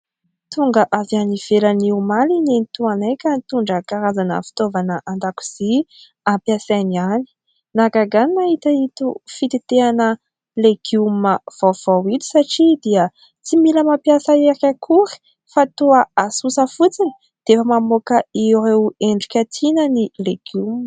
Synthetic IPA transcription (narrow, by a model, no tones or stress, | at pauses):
t̪uŋɡəʔavaniv̥elaniumalinenit̪uanajkʲənt̪uɳɖ͡ʐəkaɾazanə̰fi̥t̪ovanəʔand̪aku̥z̥i | ampjasaniani̥ | naɡaɡaninait̪ait̪ufit̪it̪eanə | leɡ̥uməv̥av̥awit̪i̥saʈ͡ʂid̪iə | t͡similəmapjasəeɾakʰuɾi̥ | fat̪uəasusəfut͡sini̥ | d̪̥efəmamokəiɾeweɳɖ͡ʐukʲat̪ʰinənileɡ̥um